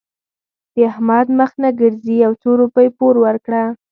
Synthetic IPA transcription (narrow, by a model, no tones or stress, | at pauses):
d̪̥əahmad̪məxnaɡəɾziawt͡soɾupəjpoɾwaɾkɽa